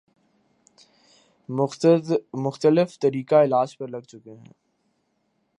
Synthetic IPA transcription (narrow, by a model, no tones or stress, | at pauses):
mʊxt̪əlɪft̪ɐɾiːkaɪlaːd͡ʒpɐɾlɐɡ̚t͡ʃʊkeɦɛ̰̃ː